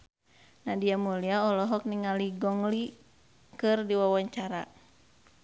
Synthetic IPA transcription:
nadiamuliaɔlɔɦɔk̚niŋaliɡɔŋli | kɨrdiwawaɲt͡ʃaɾa̰

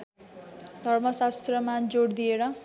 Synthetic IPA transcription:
d̪ʱʌrmʌsast̪rʌmad͡zoɽd̪ijeɾʌ

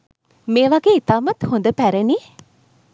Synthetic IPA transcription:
meːʋaɡeːit̪aːmɐt̪hond̪əpæɾeni

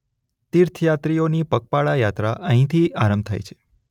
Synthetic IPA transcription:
t̪iɾt̪ʰjat̪ɾijonipək̚paɭajat̪ɾaʔəɦĩt̪ʰiaɾəmb̚t̪ʰa̰jt͡ʃʰe̥

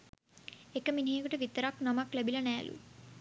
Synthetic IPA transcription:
ekːɐminiːkɐʈɐʋit̪ːɐɾaknɐmaklɐbilɐnɛːɐ̰lʔṵ

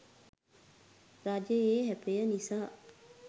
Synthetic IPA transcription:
ɾaːd͡ʒeeːɦɛpejənisaː

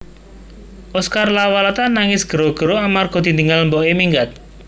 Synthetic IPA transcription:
ʔɔskarlawalat̪anaŋɪsɡ̥əɾoɡ̥əɾoamarɡ̥ɔd̪̥ind̪iŋalmbɔemiŋɡat̪̚

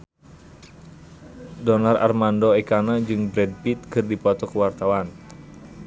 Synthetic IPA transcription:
dɔnarʔa̰rmandɔekanad͡ʒɨŋbɾɛd̚pit̪̚kɨrdipɔt̪ɔkəwart̪awan

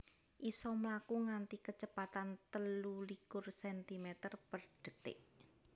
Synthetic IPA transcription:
ʔisɔmlakuŋant̪ikət͡ʃəpat̪ant̪əlulikʊrsɛnt̪imɛt̪ərpərɖ̥ə̤t̪ɪ̰ʔ

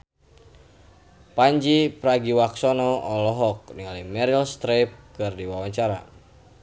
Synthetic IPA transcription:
paɲd͡ʒipɾaɡiwaksɔnɔɔlɔɦɔk̚niŋalimɛɾilst̪ɾep̚kɨrdiwawaɲt͡ʃaɾa̰

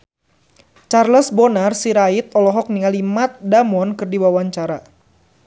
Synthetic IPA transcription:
t͡ʃarləsbɔnarsiɾait̪̚ɔlɔɦɔk̚niŋalimat̪̚damɔnkɨrdiwawaɲt͡ʃaɾa

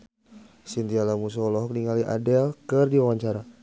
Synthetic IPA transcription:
sint̪ialamus̬ɔlɔɦɔk̚niŋaliʔa̰dɛlkərdiwawaɲt͡ʃaɾa

